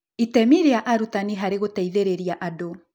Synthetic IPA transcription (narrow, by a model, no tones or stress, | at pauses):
itɛmiɾeaʔaɾutaniɦaɾeɣotɛiðeɾeɾiaʔado